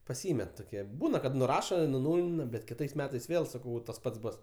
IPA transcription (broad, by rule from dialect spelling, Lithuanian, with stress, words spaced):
pɐˈsʲiːmʲɛt toːˈkʲiɛ ˈbuːnɐ kɐt nʊˈrɑːʃoː ɪ nʊˈnuːlʲɪnɐ bʲɛt kʲɪˈtɐɪs ˈmʲæːtɐɪs ˈʋʲeːlˠ sɐˈkɐʊ ʋɐ tɐs ˈpɐts ˈbʊs